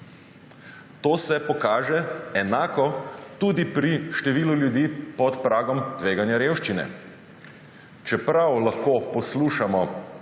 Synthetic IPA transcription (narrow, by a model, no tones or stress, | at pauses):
t̪oːsɛpɔkaːʒɛɛnaːkɔt̪uːd̪ipɾiʃt̪ɛʋiːluljud̪iːpɔt̪pɾaːɡɔmt̪ʋeːɡanjaɾeːwʃt͡ʃinɛ̰ | t͡ʃɛpɾawlaxkoːpɔsluːʃamɔ